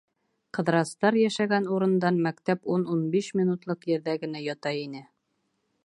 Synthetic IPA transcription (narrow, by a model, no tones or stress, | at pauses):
qɤ̆ðɾɑst̪ɑɾjæʃæɡænuɾɤ̆nd̪ɑnmækt̪æpununbiʃmʲinut̪lˠɤqjɘ̆ɾðæɡɘ̆næjɒt̪ɑjinɘ